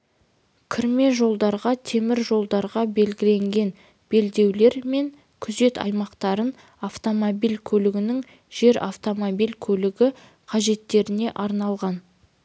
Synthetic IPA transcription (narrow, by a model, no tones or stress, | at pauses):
kʲʰɪɾme̞ʒo̞lˠd̪ɑɾʁɑt̪ʰe̞mɪɾʒo̞lˠd̪ɑɾʁɑbe̞lɡʲɪle̞ŋɡʲe̞n | b̥e̞ld̪e̞wle̞ɾme̞ŋ | kʲʰʏze̞t̪ɑ̰jmɑqt̪ɑɾən | aft̪o̞mobijlkʲʰɵlɪɡʲɪnɪŋ | ʒ̥e̞ɾa̰ft̪o̞mobijlkʲʰɵlɪɡʲɪ | qʰɑʒe̞t̪ːe̞ɾɪne̞ʔɑɾnɑlˠʁɑn